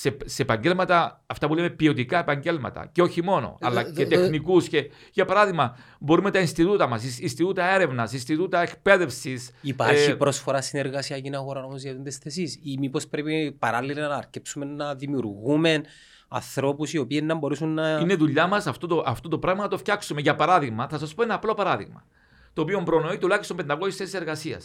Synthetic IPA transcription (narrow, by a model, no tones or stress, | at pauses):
sepsepɐɲɟe̞lmɐt̪ɐːft̪ɐpulemepio̞t̪ikɐe̞pɐɲɟe̞lmɐ̰t̪ɐ̰ceo̞çimo̞no̞̰ɐ̰lɐet̪exnikusce̞ | ʝɐpɐɾɐðiɣmɐbo̞ɾumet̪ɐinst̪it̪ut̪ɐmɐsisinst̪it̪ut̪ɐe̞ɾe̞vnɐsinst̪it̪ut̪ɐe̞kpe̞ðe̞fsisipaɾçipɾo̞sfoɾɐsine̞ɾɣɐsiɐcinɐɣo̞ɾɐnɐmzjɐt̪ind̪esθesisimipo̞spɾepipɐɾɐlːilɐnɐːɾcepsume̞nːɐðimjuɾɣume̞n | ɐ̰nθɾo̞pusio̞pienːɐmbo̞ɾesunːɐineðuʎːɐmɐsɐft̪ot̪oʔɐft̪ot̪opɾɐɣmɐnɐt̪o̞fçɐksume̞ʝɐpɐɾɐðiɣmɐθɐsɐspo̞e̞nɐːplopɐɾɐðḭɣmɐ̰ | t̪o̞ːpio̞mbɾo̞no̞it̪ulɐçistombe̞nd̪ɐkosisθe̞sise̞ɾɣɐsiɐ̰s